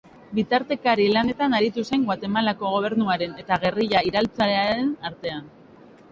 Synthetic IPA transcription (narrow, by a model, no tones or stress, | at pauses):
bit̪aɾt̪e̞kaɾilane̞t̪anaɾit̪use̞ŋɡwat̪e̞malako̞ɣ̞o̞β̞e̞ɾnuaɾe̞ne̞t̪aɣe̞riʎaiɾalt͡saɾeaɾe̞naɾt̪e̞an